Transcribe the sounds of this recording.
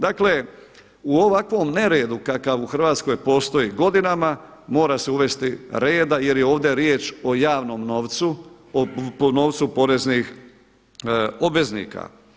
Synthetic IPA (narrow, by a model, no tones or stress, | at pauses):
d̪akle̞ | uoʋakʋo̞mne̞ɾeːd̪ukakaʋuxr̩ʋaːt̪sko̞jpo̞ːst̪o̞jiɡo̞d̪inamamo̞ːɾase̞uʋe̞st̪iɾe̞ːd̪aje̞ɾjeo̞ːʋd̪e̞ɾjeːt͡ʃo̞jaːʋno̞mnoʋ̪su | onoːʋt̪supo̞ɾe̞znix | o̞bʋe̞znḭːka̰